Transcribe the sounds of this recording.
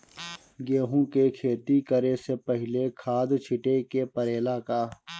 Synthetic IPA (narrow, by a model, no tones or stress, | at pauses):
ɡeːɦũkekʰeːt̪ikəɾesepəɦɪlekʰaːd̪t͡ʃʰɪʈekepɐɾeːlaːkaː